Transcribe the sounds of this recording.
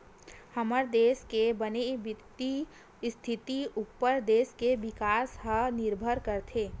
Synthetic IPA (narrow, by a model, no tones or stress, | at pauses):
həməɾd̪eːskebənebɪt̪i | st̪ʰɪt̪iupːəɾd̪eːskebɪkaːsɦənɪɾbʱəɾkəɾt̪ʰeː